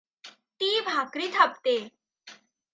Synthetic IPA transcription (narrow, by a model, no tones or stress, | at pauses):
t̪iːbʱakɾiːt̪ʰap̚t̪e